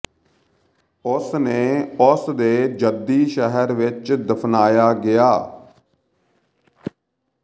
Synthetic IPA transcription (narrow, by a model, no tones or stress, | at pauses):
ʊsneːʊsd̪eːd͡ʒəd̪iːʃəɦəɾʋɪt͡ʃd̪əpʰnaːjaːɡɪjaː